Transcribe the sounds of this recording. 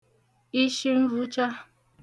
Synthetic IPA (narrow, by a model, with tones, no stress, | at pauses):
i˦ʃi˦n̩˦ɾu˦t͡ʃa˦